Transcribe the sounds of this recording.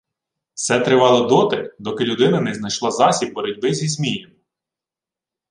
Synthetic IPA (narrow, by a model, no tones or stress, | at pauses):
sɛt̪ɾɪʋɑlˠɔd̪ɔt̪ɪd̪ɔkɪlʲʊd̪ɪnɐnɛznɐjʃlˠɑzɑsʲib̚bɔɾʲɔdʲbɪzʲizmʲijɐm